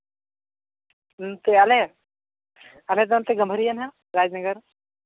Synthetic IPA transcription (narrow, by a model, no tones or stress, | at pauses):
t̪eɐle | ɐlezant̪eɡɐmbʱəɾijɐnɦã | ɾaːd͡ʒnɐɡəɾ